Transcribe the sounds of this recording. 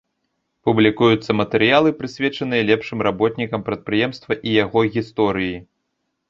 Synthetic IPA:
publʲikujut̪sːɐmɐt̪ɛɾɨjalˠɨpɾɨsʲvʲɛt͡ʂɐn̪ɨjɐlʲɛpʂɨmrabɔt̪ʲnʲikɐmpɾɐt̪̚pɾɨjɛmst̪vɐʔijaɣɔɣʲist̪ɔɾɨji

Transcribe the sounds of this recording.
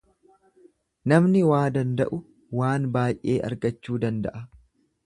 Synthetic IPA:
nɐmnɪwaːd̪ɐnd̪ɐ̰ʔʊ | waːnbaːjʔe̞ːʔɐ̰ɾɡɐt͡ʃːuːd̪ɐnd̪ɐ̰ʔɐ

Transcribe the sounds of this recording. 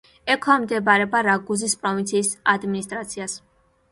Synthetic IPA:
ɛkʰwamd̪ɛbaɾɛbaɾaɡuzispʼɾɔvint̪sʰiːsad̪minist̪ʼɾat̪sʰias

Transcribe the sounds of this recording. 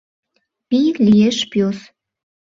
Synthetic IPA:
pijklijeʃpjos

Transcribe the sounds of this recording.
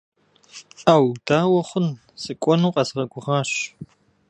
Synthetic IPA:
aːwdaːwɐχʷʊn | sɨkʷʼɔnuːqʼɐzʁɐɡʷʊʁɑːɕ

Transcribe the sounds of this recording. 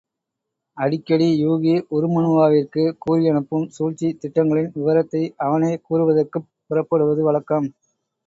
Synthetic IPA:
ɐɽɪkːɐɽijuːɣiʔɔɾɯmɐnɯʋaːʋɪrkɯkuːɾɪjɐɳɯpːɯmsuːɻt͡ʃːit̪ːɪʈːɐŋɡɐɭɪnʋɪʋɐɾɐt̪ːɐɪɐʋɐneːkuːɾɯʋɐðɐrkɯːɪɾɐpːɐɽɯʋɐðɯʋɐɭɐkːɐm

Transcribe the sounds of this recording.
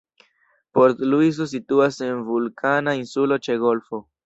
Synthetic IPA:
po̞ɾtluis̬o̞s̬ituase̞nvulkʰanainsulo̞t͡ʃe̞ɡo̞lfo̞

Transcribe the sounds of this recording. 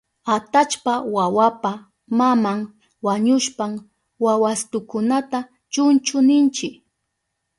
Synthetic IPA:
at̪at͡ʃpawawapa | mamaŋ | waɲʊʃpam | wawast̪ʊkʊnat̪a | t͡ʃʊnt͡ʃʊnɪnt͡ʃɪk

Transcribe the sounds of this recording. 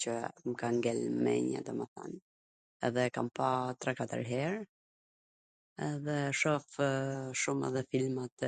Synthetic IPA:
t͡ɕəməkaŋɡɛlmɛ̰ɲa̰d̪ɔmɛθa̰n | ɛðɛka̰mpat̪ɾakat̪a̰ɾɦɛɾ | ɛðɛʃɔfʃumɛ̰ðɛfilmat̪

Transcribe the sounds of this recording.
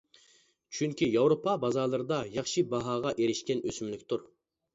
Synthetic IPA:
t͡ʃʰyŋkʲijɑwɾopʰɑbɑzɑːlˠɨɾɨd̪ɑjɑχʃibɑɦɑːʁɑʔeɾɪʃkʲɛnøsymlɪkʲt̪ʰuɾ

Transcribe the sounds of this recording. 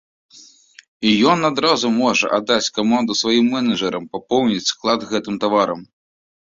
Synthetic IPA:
ijɔnad̪ɾazumɔʐɐ̰ʔad̪ːat͡sʲkamand̪usvajimːɛnɐʐɐɾɐmpapɔwnʲit͡sʲːklˠad̪ɣɛt̪ɨmt̪avaɾɐm

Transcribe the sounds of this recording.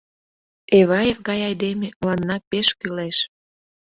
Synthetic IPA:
eβɑjefɡɑjɑjd̪emelɑnːɑpeʃkyleʃ

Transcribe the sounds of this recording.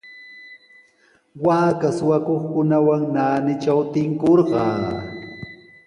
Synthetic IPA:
waːkasʊwakoχkʊnawaŋnaːnɪt͡ʃawt̪ɪŋkoɾɢɑː

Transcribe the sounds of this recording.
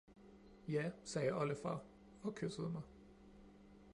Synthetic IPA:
jæsɛːəʔɒləfɑ̰ | ɒ̽kʰøsəð̞ˠmɑ̈ɪ

